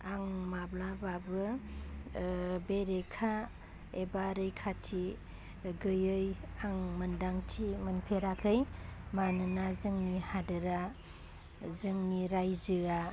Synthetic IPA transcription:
aŋmablababɯ | beɾekʰa | ebaɾɯjkʰatʰi | ɡɯjɯjaŋmɯndaŋtʰimɯnpʰeɾakʰɯjmanɯnazɯŋnihadɯɾa | zɯŋniɾajzɯa

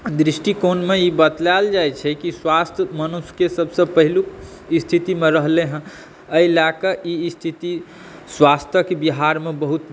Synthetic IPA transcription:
d̪ɾisʈikonmeibət̪lald͡ʒajt͡ʃʰɛkiswast̪ʰəmənuskesəbʱsə̃pəɦilu | ist̪ʰit̪imeɾəɦleɦə̃ | əilakəʔist̪ʰit̪i | swast̪ʰəkebiɦaɾmebəɦut̪

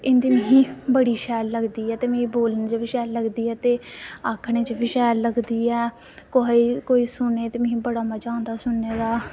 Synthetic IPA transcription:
ɪnd̪iːmẽɦĩːbəɽiːʃɛːlːəɡd̪iːɛːt̪eːmẽĩboːlənt͡ʃəʋɪʃɛːlːəɡd̪iːɛːt̪eːaːkʰɽ̃eːt͡ʃəbɪʃɛːlːəɡd̪iːɛː | koɦiːkoːiːsʊneːt̪eːmə̃ɦĩːbəɽaːmaːd͡ʒaːʊ̃nd̪aːsʊnːeːd̪aː

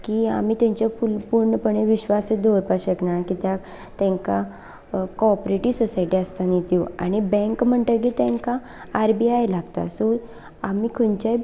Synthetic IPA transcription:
kia̰miːt̪jãɲt͡ɕafulpuɾɳəpəɳ̃eʋiɕʋasd̪oɾpaɕəknakit̪ja | t̪ɛ̃ŋka | kɔɾpɾeʈiːsɔsaiʈiast̪anit̪iwa̰ɽ̃ibɛ̃ŋkm̤əɳʈ̪ək̬iːt̪ɛ̃ŋkaː | ɾbiajlaɡt̪a̰so | amiːkʰont͡ɕaj

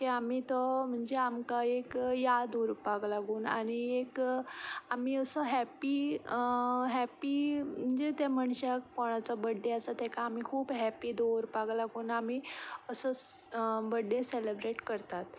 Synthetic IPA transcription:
kiamiːt̪ɔm̤əɳd͡zeamkaekjad̪oɾupaɡlaɡuːna̰ɽ̃iek | amiːəsəɦɛpi | ɦɛpim̤əɳd͡zet̪ɛməɳɕakpɔɽ̃at͡sɔbəɖːeasat̪ɛkaːmikʰuːbɦɛpiːd̪oɾpaɡlaɡuːnamiːəsə | bəɖːeselebɾeʈkəɾt̪at̪

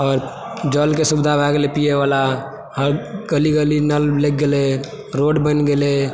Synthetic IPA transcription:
ɔːɾ | d͡ʒəlkesubd̪ʱabʱaɡelepijeʋala | həɾɡəliɡəlinəllek̚ɡele | ɾoɖbənɡele

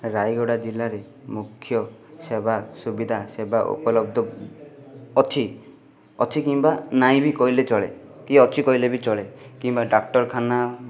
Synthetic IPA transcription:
ɾajɡɔɽad͡ʒilaɾe | mukʰːjɔsebasubid̪ʱasebaʔo̰kɔlɔb̚d̪ɔ | ɔt͡ʃʰi | ɔt͡ʃʰikimbanaĩbikɔilet͡ʃɔɭḛkiɔt͡ʃʰikɔilebit͡ʃɔɭekimbaɖak̚ʈɔɾkʰana

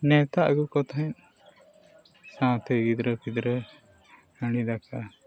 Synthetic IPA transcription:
nɛ̃t̪aʔɡukɔt̪ʰɛn | sãw̃t̪ɛɡid̪ɾəpʰid̪ɾə | həɽid̪akʰa

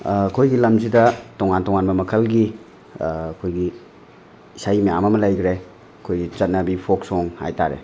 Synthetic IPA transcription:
kʰojɡilɐmzidɐtoŋantɔŋanbɐmɐkʰɐlɡiː | kʰojɡi | sajmijamɐmɐlajɡɾe | ɐkʰojɡit͡ʃɐt̚nɐbipʰoksoŋha̰jtaɾḛ

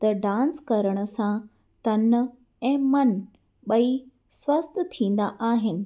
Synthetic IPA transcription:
t̪ɐɖãːnskɐɾəɽ̃ə̆sã | t̪ɐn | ɛ̃ːmɐn | ɓɐi | swɐst̪̆ʰt̪ʰĩːn̆d̪aʔaːɦɪnɪ̆

